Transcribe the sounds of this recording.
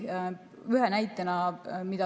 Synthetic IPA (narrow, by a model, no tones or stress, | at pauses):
yɦenæjt̪ːˑenɑmid̪̥ɑ